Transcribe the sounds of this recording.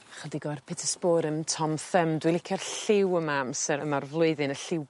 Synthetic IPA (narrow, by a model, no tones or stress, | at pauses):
aχədiɡɔrpʰɪtʰəspoːɾəntʰɔmθəmdwɪlˠɪkʰjɔrɬɪwəmamsəəmarvlˠʊɨðɨnəɬɪw